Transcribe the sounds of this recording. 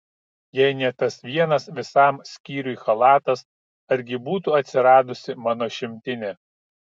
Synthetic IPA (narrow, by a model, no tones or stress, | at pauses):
jɛɪnʲɛt̪ɐsʋʲiɛnɐsʋʲɪsɑˑmsʲkʲiːɾʲʊixɐlˠɑːt̪ɐs | ɐɾʲɡʲɪbuːt̪uɐt̪ʲsʲɪɾɑːd̪ʊsʲɪmɑːnoːʃʲɪmʲt̪ʲɪnʲɛː